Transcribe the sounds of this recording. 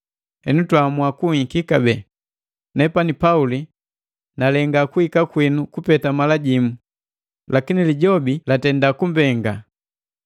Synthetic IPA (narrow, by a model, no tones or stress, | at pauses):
hɛnutwamuakuikikabɛ | nɛpanipauli | nalɛŋɡakuhikakwinukupɛtamalaɟimu | lakiniliɟɔbilatɛndakumbɛŋɡa